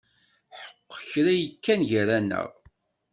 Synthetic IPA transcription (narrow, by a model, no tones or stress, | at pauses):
ħə̥qːçɾæjəkːænʝɾænə̰ʁ